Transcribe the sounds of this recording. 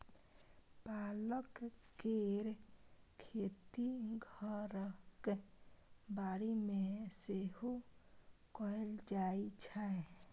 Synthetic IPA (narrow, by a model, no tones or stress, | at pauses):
paləkkeɾkʰet̪iɡʱəɾək | baɽimeseɦo | kɔeld͡ʒait͡ʃʰae